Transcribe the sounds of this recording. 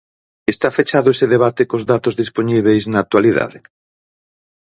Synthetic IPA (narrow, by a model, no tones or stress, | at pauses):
est̪afet͡ʃaðoeseðeβat̪ekozðat̪ozðisponiβejznaːk̚t̪waliða̰ðɪ